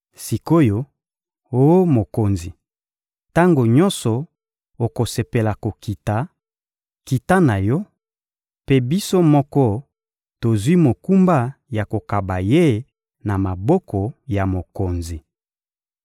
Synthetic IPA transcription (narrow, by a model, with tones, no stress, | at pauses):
si˨ko˦jo˨ | o˦o˦mo˨ko˨nzi˨ | ta˦ŋɡo˨ɲɔ˦nsɔ˨ | o˨ko˨se˨pe˨la˨ko˨ki˨ta˨ | ki˨ta˦na˨jɔ˦ | pe˦bi˦so˦mɔ˦kɔ˦ | to˨zwi˦mo˨ku˦mba˦ja˨ko˨ka˨ba˨je˦ | na˨ma˨bɔ˦kɔ˨ja˨mo˨ko˨nzi˨